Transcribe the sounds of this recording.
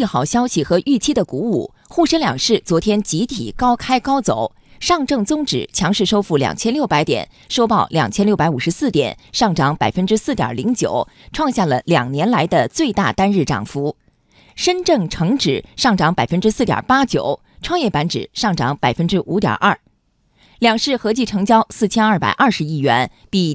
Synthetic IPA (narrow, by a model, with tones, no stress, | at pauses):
i˥˩xɑ˨˩ʊɕjɑ˥ʊɕi˨˩xɤ˧˥ʔy˥˩t͡ɕʰi˥d̪ə˨ku˧˥ṵ˥˩ | xu˥˩ʂə˥nljɑ̰˨˩ŋʂɻ̩˥˩t͡swɔ˧˥t̪ʰjɛ˥nt͡ɕi˧˥t̪ʰḭ˨˩kɑ˥ʊkʰa˥ɪkɑ˥ʊt͡so˨˩˦ʊ | ʂɑ˥˧ŋʈ͡ʂɤ˥˩ŋt͡sʊ˥ŋʈ͡ʂɻ̩̰˨˩˦t͡ɕʰjɑ˧˥ŋʂɻ̩˥˩ʂo˥ʊfu˥˩ljɑ̰˨˩ŋt͡ɕʰjɛ˥nljʊpa˧˥ɪt̪jɛ̰˨˩n | ʂo˥ʊpɑ˥˩ʊljɑ̰˨˩ŋt͡ɕʰjɛ˥nljo˥˩ʊpa˧˥ɪu˨˩ʂɻ̩˧˥sɹ̩˥˩t̪jɛ̰˨˩˦nʂɑ˥˩ŋʈ͡ʂɑ˧˥ŋpa˨˩ɪfə˥nʈ͡ʂɻ̩˥sɹ̩˥˩jɑ̰˨˩li˧˥ŋt͡ɕjo̰˨˩˦ʊ | ʈ͡ʂʰwɑ˥˧ŋɕja˥˩lə˩ljɑ̰˨˩ŋnjɛ˧˥nla˧˥ɪd̪ə˧t͡swe˥˧ɪt̪a̰˥˩t̪a˥nɻɻ̩˥˩ʈ͡ʂɑ̰˨˩ŋfu˧˥ | ʂə˥nʈ͡ʂɤ˥˩ŋʈ͡ʂʰɤ˧˥ŋʈ͡ʂɻ̩˨˩˦ʂɑ˥˩ŋʈ͡ʂɑ˧˥ŋpa˨˩ɪfə˥nʈ͡ʂɻ̩˥sɹ̩˥˩t̪jɑ̰˨˩pa˥t͡ɕjo˨˩˦ʊ | ʈ͡ʂʰwɑ˥˧ŋjɛ˥˩pa˧˥nʈ͡ʂɻ̩̰˨˩˦ʂɑ˥˩ŋʈ͡ʂɑ˧˥ŋpa˨˩ɪfə˥nʈ͡ʂɻ̩˥ʔu˧˥t̪jɐ̰˨˩ʔɐ˥˩ | ljɑ˨˩ŋʂɻ̩˥˩xɤ˧˥t͡ɕi˥˩ʈ͡ʂʰɤ˧˥ŋt͡ɕjɑ˥ʊsɹ̩˥˩t͡ɕʰjɛ˥nɐ˥˩pa̰˨˩ɪʔɐ˥˩ʂɻ̩˧˥i˥˩ɥɛ˧˥n | pi˥˩